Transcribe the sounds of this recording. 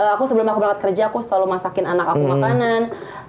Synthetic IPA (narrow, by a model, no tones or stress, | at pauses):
əakusəbəlʊmakuməɾaŋat̪̚kərd͡ʒakust̪alumasakɪnanakakumakanan